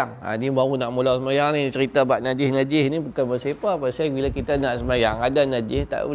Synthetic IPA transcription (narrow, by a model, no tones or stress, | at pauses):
aŋa̰nibaunaʔmulawsəmajaŋnĩt͡ʃəɾit̪abaʔ̪̚nad͡ʒɪsnad͡ʒɪhnibukanbəsepaːpasabilakit̪anaʔsəmajaŋadanad͡ʒɪht̪a̰ʔu